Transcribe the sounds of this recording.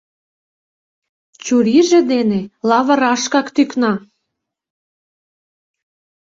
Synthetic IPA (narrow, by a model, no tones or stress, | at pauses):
t͡ɕuɾiʒĕd̪enelɑβə̆ɾɑʃkɑkt̪yknɑ